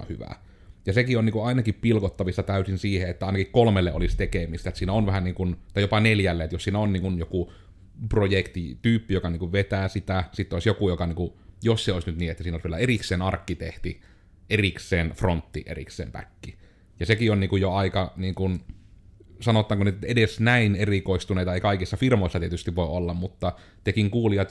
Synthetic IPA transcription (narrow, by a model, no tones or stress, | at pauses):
hy̰ʋæ̰ | jɑsekionniːkuʔɑˑinɑkippilkot̪ːɑʋisːɑt̪æˑysinsiːheet̪ːæɑˑinɑkikkolmelːeʔʔolist̪ekemist̪æet̪siːnæonʋæhæniːŋkunt̪ɑˑijopɑneljælːeet̪jossiːnæonniːŋkunjoku | projekt̪it̪yːpːijokɑniːŋkuʋʋet̪æːsit̪æsit̪ːoˑisjokujokɑniːkujosseoˑesnyt̪niːet̪ːæsiːnoˑlsʋielæerikseːnɑrkːit̪eht̪i | eriksˑeːnfront̪ːiʔḛrḭksˑḛːmpæ̰kːi | jɑsekionniːŋkujjoɑikɑniːŋkun | sɑnot̪ːˑɑːŋkunit̪t̪edesnæinerikoˑist̪uneˑit̪ɑeˑikɑˑikisːɑfirmoˑisːɑt̪iet̪yst̪iʋʋoˑeolːɑmmut̪ːɑ | t̪ekiŋkuːliɑt̪